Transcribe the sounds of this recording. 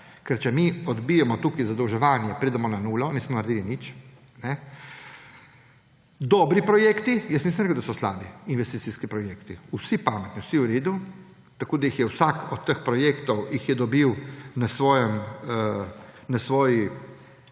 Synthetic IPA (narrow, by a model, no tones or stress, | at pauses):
kɛɾt͡ʃɛmiɔd̪bijɛmɔt̪uːkizad̪əwʒɛʋaːnjɛpɾed̪ɛmɔnanuːlɔniːsmɔnaɾd̪iːlinit͡ʃ | nɛ | d̪ɔbɾipɾɔjeːkt̪ijəsnisəmɾɛkɛəwd̪asɔsla̰ːbiinʋɛst̪it̪siskipɾɔjeːkt̪iusipaːmɛt̪niwsiuɾeːd̪u | t̪akoːd̪ajixjɛwsakɔt̪ːəxpɾɔjekt̪ɔwjixjɛd̪ɔbiwnasʋɔːjɛm | nasʋɔːji